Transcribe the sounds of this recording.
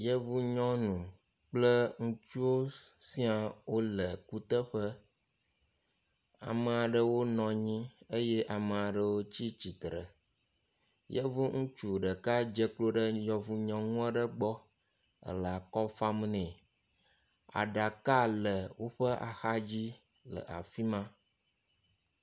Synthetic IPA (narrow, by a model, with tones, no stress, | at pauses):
jə˦vu˦ɲɔ̃˦nũ˨ | k͡plə˦ŋũ˦t͡ʃu˦wo˦si˦a˨wo˦lə˨ku˦t̪ə˦ɸə˦ | a̰˨mə˨a˨ɖə˨wo˦nɔ̃˨ɲĩ˦ə˦jɛ˦ʔa˨mə̃˨a˨ɖə˨wo˦t͡ɕi˦t͡ɕi˨t̪ɾə˨ | jɛ˦vo˦ŋũ˦t͡ʃu˨ɖə˨ka˦d͡ʒə˦klo˦ɖə˦jɔ̃˨vu˨ɲɔ̃˨ŋũ˦a˦ɖə˦ɡ͡bɔ˦ | ə̰˨lə˨a˨kɔ˦fa˦m˦nɛ̃˨ | a̰˨ɖa˨ka˦lə˨wo˦ɸə˦ʔa̰˨xa˦d͡ʑi˦ | lə̰˨ʔa̰˨fi˦mã˦